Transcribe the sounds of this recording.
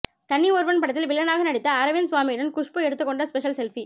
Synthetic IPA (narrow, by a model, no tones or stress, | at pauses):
t̪ɐnːioːɾbɐnpɐɽɐt̪ːɪlʋɪlːɐnaːɣɐnɐɽɪt̪ːɐɐɾɐʋɪnsʊʋaːmiɽɐnkʊʂpɯɛɽɯt̪ːɯkːɔɳɖɐspɛʂɐlsɛlfi